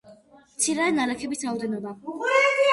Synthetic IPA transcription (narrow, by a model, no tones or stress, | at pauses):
mt̪sʰiɾaɛnaɾakʰɛbisɾaɔd̪ɛnɔba